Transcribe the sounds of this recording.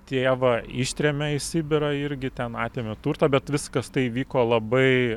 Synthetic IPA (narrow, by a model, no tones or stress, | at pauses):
t̪ʲeːʋɐɪʃʲt̪ʲɾʲɛmʲɛɪsʲɪbʲɪɾɐɪɾʲɡʲɪt̪ʲɛnɑːt̪ʲeːmʲɪt̪uːrt̪ɐbʲɛt̪ʋʲɪskɐst̪ɐɪʋʲiːkoːlˠɐbɐɪ